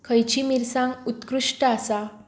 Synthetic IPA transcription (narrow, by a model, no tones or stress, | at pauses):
kʰəjt͡ɕimiɾsãŋut̪kɾuʂʈəasa